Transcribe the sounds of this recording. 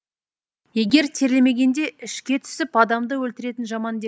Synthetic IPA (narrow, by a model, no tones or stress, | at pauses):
je̞ɡʲe̞ɾt̪ʰe̞ɾleme̞ɡʲe̞nd̪e̞ɪʃkʲe̞t̪ʰʏ̥sɪpɑd̪ɑmd̪əwɵlt̪ɪɾe̞t̪ɪnʒɑmɑnd̪e